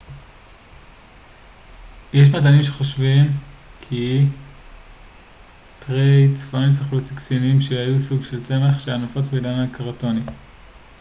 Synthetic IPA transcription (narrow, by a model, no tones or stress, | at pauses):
jeʃ̬madanimʃe̞χo̞ʃvimkʰi | tʁejt͡sfonisaχlut͡siksinimʃehajusuɡʃelt͡se̞maχʃeanofot͡sbedanakaʁato̞ni